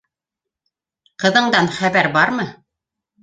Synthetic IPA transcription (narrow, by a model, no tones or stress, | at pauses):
qɤ̆ðɤ̆ɴd̪ɑnχæβæɾbɑɾmɤ